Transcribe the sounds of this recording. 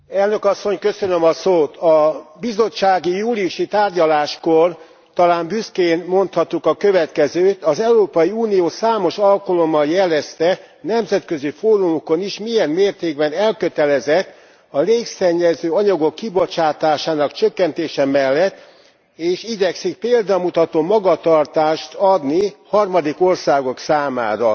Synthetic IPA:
ɛlnø̞kɒsːo̞ɲkø̞sønømɒsoːt̪ɒbizo̞t͡ʃːaːɡijuːlijuʃit̪aːrɟɒlaːʃkor | t̪ɒlaːmbyskeːnmo̞nt̪hɒt̪ːukɒkø̞vɛt̪kɛzøːt̪ɒzɛuɾoːpɒjiuːnijoːsaːmo̞ʃɒlkolo̞mːɒljɛlɛst̪ɛ | nɛmzɛt̪kø̞zifoːɾumoko̞niʃmijɛnmeːrt̪eːɡbɛnɛlkø̞t̪ɛlɛzɛt̪ː | ɒleːksɛɲːɛzøːɒɲɒɡo̞kːibo̞t͡ʃaːt̪aːʃaːnɒkt͡ʃøkːɛnt̪eːʃɛmɛlːɛt̪ː | eːʃiɟɛksik̚peːld̪ɒmut̪ɒt̪oːmɒɡɒt̪ɒrt̪aːʃt̪ɒd̪nihɒrmɒd̪iko̞rsaːɡo̞ksaːma̰ːɾɒ

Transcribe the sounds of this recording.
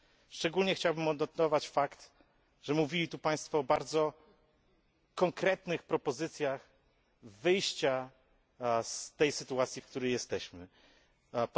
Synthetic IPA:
ʂt͡ʂɛɡulɲɛxt͡ɕawbɘmɔd̪nɔt̪ɔvat͡ɕfakt̪ | ʐɛmuvʲilʲit̪upaj̃st̪fɔːbaɾd̪zɔ | kɔŋkɾɛt̪nɘxpɾɔpɔzɘt̪sʲjax | vɘjɕt͡ɕa | st̪ɛjsɘt̪uat̪sʲjifkt̪uɾɛjɛst̪ɛɕmɘ | p

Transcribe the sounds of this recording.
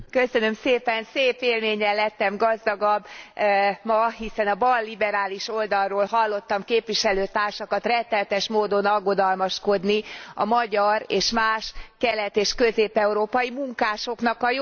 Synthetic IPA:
kø̞sønø̞mseːpɛnseːpeːlmeːɲɛlːɛt̪ːɛmɡɒzd̪ɒɡɒbː | mɒɦisɛnɒbɒlːibɛɾaːliʃo̞ld̪ɒrrːoːlɦɒlːo̞t̪ːɒmkeːpʋiʃɛløːt̪aːrʃɒkɒt̪rɛnt̪ːɛlt̪ɛʃmoːd̪o̞nɒɡo̞d̪ɒlmɒʃko̞d̪niɒmɒɟɒreːʃmaːʃkɛlɛt̪eːʃkø̞zeːpɛuɾoːpɒjimuŋkaːʃo̞kn̪ɒkɒj

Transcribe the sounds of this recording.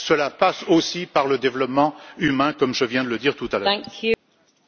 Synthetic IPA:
səlapasosipaʁləd̪evlɔpmɑ̃ymɛ̃kɔmʒəvjɛ̃d̪ələd̪iʁt̪ut̪alœæ̃ŋkʰjʉ

